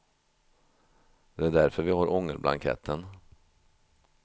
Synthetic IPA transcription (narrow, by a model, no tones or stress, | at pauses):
d̪̥ɛæɖæɾfœɾvɪhaɾʔɔŋːəɾbla̰ŋkʰɛ̰t̪ʰːən